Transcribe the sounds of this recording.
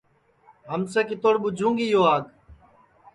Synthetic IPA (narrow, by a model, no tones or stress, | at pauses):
ɦəmsəkɪt̪oːɽɓʊd͡ʒʱũːŋɡiːjoːaːɡ